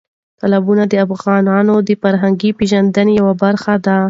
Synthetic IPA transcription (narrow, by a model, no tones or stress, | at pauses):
t̪alabunad̪əafɣɑnɑnod̪əfaɾɦaŋɡipeʒand̪ənejawabaɾxad̪a